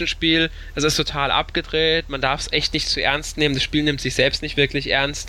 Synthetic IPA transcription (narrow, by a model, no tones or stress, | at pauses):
n̩ʃpiːl | asoɛstʰotʰaːlʔa̰pɡ̥ədʁeːtmandaɐfsʔɛçtnɪçtt͡suʔɛɐnstneːməndasʃpiːlnɪmtz̥ɪçz̥ɛlpstnɪçtv̥ɪɐklɪçʔɛɐnst